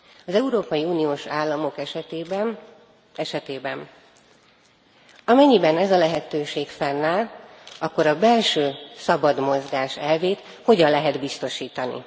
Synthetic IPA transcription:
ɒzɛuɾoːpɒjiuːnioːʃaːlːɒmo̞kɛʃb | ɛʃɛt̪eːbɛn | ɒmɛɲːibɛnɛzɒlɛɦɛt̪øːʃeːkfɛnːaːl | ɒkːo̞ɾɒbɛlʃøːsɒbɒd̪mo̞zɡaːʃɛlveːt̪ | ho̞ɟɒnlɛɦɛd̪bist̪o̞ʃiːt̪ɒnḭ

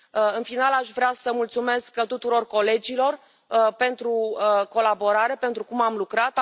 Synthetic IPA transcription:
ɨnfinalaʃvɾeasəmult̪sume̞skət̪ut̪uɾo̞rko̞le̞d͡ʒilo̞r | pe̞nt̪ɾuəko̞labo̞ɾaɾe̞pe̞nt̪ɾukumamlukɾat̪

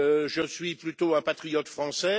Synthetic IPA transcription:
øʒəsɥiplyt̪oɛ̃pat̪χijɔt̪fχɑ̃sɛ

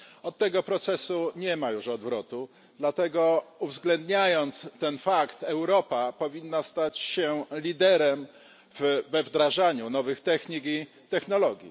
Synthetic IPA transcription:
ɔt̪ːɛɡɔpɾɔt̪sɛsuɲɛmajuʂɔd̪vɾɔt̪u | d̪lat̪ɛɡɔuvzɡlɛnd̪ɲajɔnt̪st̪ɛnfakt̪ɛwɾɔpapɔvʲinːast̪at͡ɕɕɛlʲid̪ɛɾɛm | vvɛvd̪ɾaʐaɲunɔvɘxt̪ɛxɲiki | t̪ɛxnɔlɔɡʲjḭ

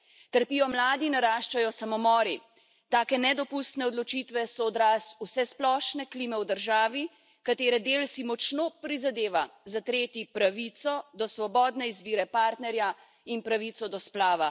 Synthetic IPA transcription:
t̪əɾpiːjɔmlaːd̪inaɾaːʃt͡ʃajɔsamɔmɔːɾi | t̪aːkɛnɛd̪ɔpust̪nɛɔd̪lɔt͡ʃiːt̪ʋɛsɔːd̪ɾaːsusɛsplɔːʃnɛkliːmɛwd̪əɾʒaːʋi | kat̪eːɾɛd̪eːlsimɔt͡ʃnopɾizad̪eːʋazat̪ɾeːt̪ipɾaʋit̪sɔd̪ɔsʋɔbɔːd̪nɛizbiːɾɛpaːɾt̪nɛɾja | inpɾaʋit̪sɔd̪ɔsplaːʋa

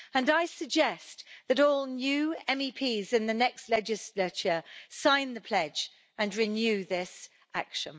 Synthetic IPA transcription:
ə̃naɪsəɡ̚d͡ʒɛsðəɾɔːlˠnjʉːɛ̃mipʰiːzɪ̃nðənɛkstˡlɛd͡ʒɪslət͡ʃəsãɪ̃nðəpʰl̥ɛd͡ʒ | ə̃nɹɪnjʉːðɪs | ʔakʃə̃n

